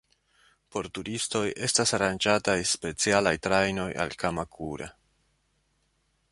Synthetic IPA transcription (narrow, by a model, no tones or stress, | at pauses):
po̞ɾtuɾisto̞jʔe̞stasaɾand͡ʒatajspe̞t͡sialajtɾajno̞ja̰lkamakʰuɾḛ